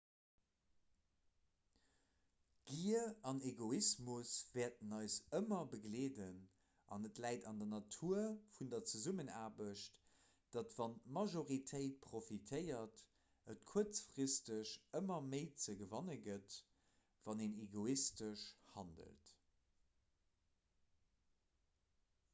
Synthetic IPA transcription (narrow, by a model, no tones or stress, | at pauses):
ɡ̥iəɑneɡoismusvɛːɐt̚ənɑɪsəmɐbəɡleːdən | ʔɑ̰nətlæɪtɑ̰ndɐnɑtʰuːɐfundɐt͡səzumənaːbəʃt | d̥ɑtvɑnmɑʒoʁitʰəɪt̚pʁofitʰəɪɐt | ətkʰuɐt͡sfʁistəɕəmɐməɪt͡səɡəvɑnəɡət | v̥ɑneneɡoistəʃhɑndə̰lt